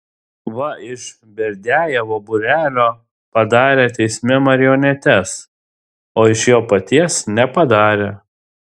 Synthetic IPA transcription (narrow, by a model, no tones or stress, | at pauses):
ʋɐɪʃ | bʲɛɾʲd̪ʲæːjɛʋobʊɾʲæːlʲoː | pɐd̪ɑːɾʲeːt̪ʲɛɪsʲmʲɛmɐɾʲɪjɔnʲɛt̪ʲɛs | oːɪʃjoːpɐt̪ʲiɛsnʲɛpɐd̪ɑːɾʲeː